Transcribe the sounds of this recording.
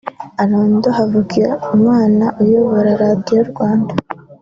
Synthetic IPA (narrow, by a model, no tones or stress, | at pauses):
aɾoːndohavukiɾaumŋaːnaʔujoβoɾaɾaːdijoɾɡwaːnda